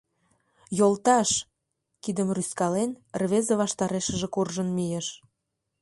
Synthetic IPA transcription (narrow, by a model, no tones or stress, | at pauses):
jolt̪ɑʃ | kid̪əmryskɑlenrβezəβɑʃt̪ɑɾeʃəʒĕkurʒənmijeʃ